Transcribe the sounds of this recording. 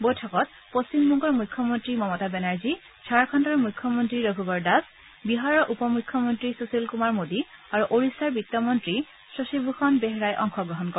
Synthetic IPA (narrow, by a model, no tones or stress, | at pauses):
bojtʰɔkɔt̚ | post͡ɕimːuŋkɔɹmujkʰːjɔmɔntɹimɔmɔtabɛnaɹzi | t͡ʃʰaɹkʰɔntɔɹmujkʰːɔmɔntɹiɹɔɡʱubɔɹdas | biɦaɹɔʔupɔmujkʰːjɔmɔntɹisusilkumaɹmodiaɹuʔoɹisaɹbit̪ːɔmɔntɹi | sɹɔsibʱuxɔnbɛɦɹajʔɔ̰ŋxɔɡɹɔɦɔnkɔ